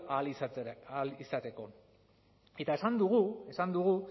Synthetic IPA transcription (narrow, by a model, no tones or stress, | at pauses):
alislisat̪e̞ko̞ | e̞t̪ae̞sand̪uɣue̞sand̪uɣu